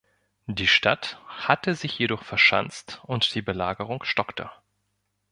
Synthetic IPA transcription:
d̥iːʃtathatəzɪçjedɔχfɛɐʃa̰nt͡stʊntd̥iːbəlaːɡəʁʊŋʃtɔktʰə̰

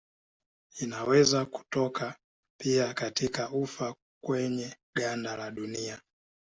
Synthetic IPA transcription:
inawɛzaku̥tɔka | piakatikaufa | kwɛɲɛ | ɠandalaɗunia

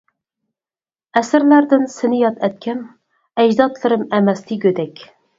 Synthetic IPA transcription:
ɛsɪɾlæɾd̪ɪnsɪnɪjɑt̪ʰɛt̪̚kʲʰɛm | ɛd͡ʒd̪ɑt̪lˠɨɾɨmɛmɛst̪ʰɪɡʲød̪ɛkʲ

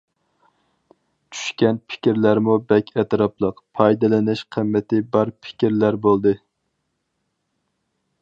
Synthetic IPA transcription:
t͡ʃʰy̥ʃkʲɛnpʰɪ̥kʲiɾlæɾmubɛkʲʰɛt̪ɾɑplˠəqpʰɑjd̪ɨlɪnɪʃqʰəmːɪt̪ʰɪbɑɾpʰɪ̥kʲiɾlæɾbolˠd̪ɨ

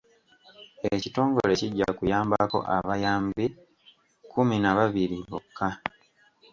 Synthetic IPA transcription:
ecito̞ːŋɡo̰le̞ciɟːa̰kujaːmbako̞̰ʔa̰βajaːmbi | kuminaβaβiɾiβokʰːa

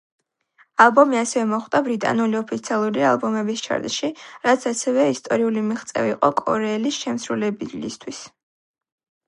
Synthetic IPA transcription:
alˠbɔmiasɛvɛmɔχt̪ʼabɾit̪ʼa̰nuliɔpʰit̪sʰialˠuɾia̰lˠbɔmɛbist͡ʃʰa̰ɾd̪ʃiɾat̪sʰasɛvɛist̪ʼɔɾiulimiχt̪sʼɛ̰viqʼɔkʼɔ̰ɾɛːlisʃɛmsɾulɛblist̪ʰwis

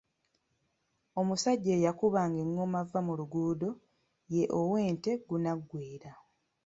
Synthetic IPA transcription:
o̞musaɟːeːjakuβaːŋɡe̞ŋːo̞mavːamuluɡuːdo̞ | jeʔowe̞ːnte̞ɡunaɡːwiːɾa

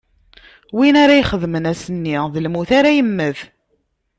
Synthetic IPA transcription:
winaɾajχəðmənæsənːiðəlmuθaɾæjəmːəð

